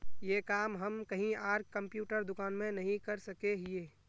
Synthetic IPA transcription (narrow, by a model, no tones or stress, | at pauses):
jekaːmɦəmkəɦĩaːɾɡkːəmpjuːʈəɾd̪ʊkaːnmẽnɐɦĩkəɾsəkeɦɪeː